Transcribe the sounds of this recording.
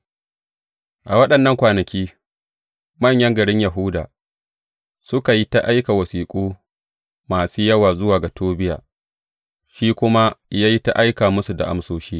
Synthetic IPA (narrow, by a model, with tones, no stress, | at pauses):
ʔa˨wɐ˦ɗɐ˨nːɐ˦ŋkʷaː˨nɐ˨kʲiː˦ | mɐ˦˨ɲjɐ˦ŋɡɐ˨ɽɪ˦ɲja˨ɦʊ˦da̰ː˨ | sʊ˦ka˨ji˦ta˦ʔa˦jka˨wɐ˨siː˨kʷʼuː˦ | maː˨suː˦jɐ˦waː˨zʊ˦waː˨ɡa˨toː˦bɪ˦ja̰ː˨ | ʃiː˦kʷʊ˦ma˦jaː˦ji˦ta̰˦ʔa˦jkaː˨mʊ˦su˨da̰˨ʔa̰˦msoː˦ʃiː˦